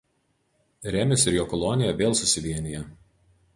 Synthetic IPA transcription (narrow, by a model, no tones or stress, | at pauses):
ɾʲæmʲɪsɪɾjoːkɔlˠonʲɪjɛʋʲeːlˠsʊsʲɪʋʲiɛnʲɪjɛ